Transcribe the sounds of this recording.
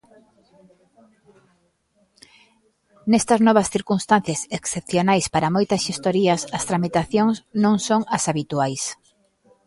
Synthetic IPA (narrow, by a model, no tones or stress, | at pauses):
nest̪ɐznɔβɐsθiɾkunst̪an̟θjɐseksepθjonajspaɾɐmojt̪ɐsʃest̪oɾiɐsɐst̪ɾamit̪aθjoŋsnõŋsoŋɐsaβit̪uajs